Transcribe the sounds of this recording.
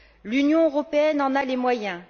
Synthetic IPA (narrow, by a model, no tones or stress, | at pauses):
lynjɔ̃øʁɔpeɛnɑ̃nalemwajɛ̃